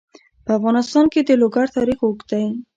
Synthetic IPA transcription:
pəafɣɑnɪst̪ɑnked̪əloɡaɾt̪ɑɾixokd̪ai

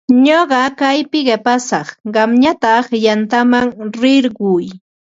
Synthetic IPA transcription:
ɲoɢɑkajpɪɢepasɑχɢɑmɲat̪aχjant̪amaŋɾɪɾɢʊj

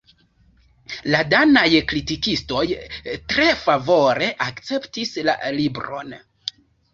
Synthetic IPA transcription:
ladanajkɾitikisto̞jtɾe̞favo̞ɾe̞ʔakt͡se̞ptisla̰libɾo̞̰n

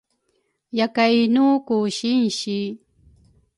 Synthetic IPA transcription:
jakajnuːkʊʃɪnʃɪ

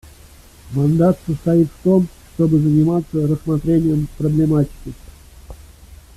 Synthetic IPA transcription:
mɐnd̪at̪səst̪ɐit̪ft̪o̞mʂt̪o̞bɨzənʲɪmat̪sːəɾəsmat̪ɾʲenʲɪjəmpɾəblʲɪmatʲɪ̥kʲɪ

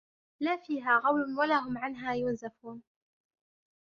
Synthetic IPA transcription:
laːfiːɦaːɣɑwlʊnwalaːɦʊmʕanɦaːjʊnzafuːn

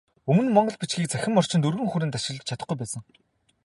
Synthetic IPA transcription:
ɵmɵ̆nmɔɴɢɞ̆ɮpit͡ɕɡiːk̚t͡sʰæxʲɪ̆mːɔr̥t͡ɕɪnt̪ɵrɣɘ̆ŋxuɾɘ̆nt̪aʃɪ̆ɮ̆t͡ɕʰat̪ə̆χɡujpæːsə̆ŋ

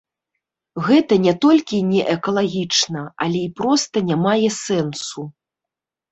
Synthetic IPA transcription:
ɣɛt̪ɐnʲɛt̪ɔlʲkʲinʲɛʔɛkɐlˠaɣʲit͡ʂnɐalʲɛipɾɔst̪ɐnʲamajɛsɛnsu

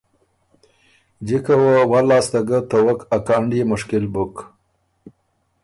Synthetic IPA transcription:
d͡ʒikəwəwalɑːst̪aɡət̪əwəkakɑɳɖimʊʂkɪlbuk

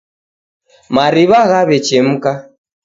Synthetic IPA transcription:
maɾiβaɣaβɛt͡ʃɛm̩ka

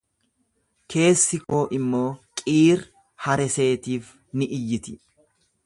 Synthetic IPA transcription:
kʰe̞ːsːɪkoːʔɪmːo̞ːkʼiːɾ | hɐɾɛse̞ːt̪iːf | nɪʔɪjːɪt̪ɪ̥

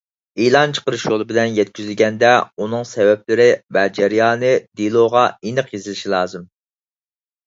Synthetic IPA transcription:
elˠɑnt͡ʃʰə̥qəɾɨʃjolˠɨbɪlɛnjɛt̪̚kʲyzɪlɡʲɛnd̪ɛunɨŋsɛvɛp̚lɪɾɪvɛd͡ʒɛɾijɑːnɨd̪ilˠoʁɑinəqjezɪlɪʃilˠɑːzɨm

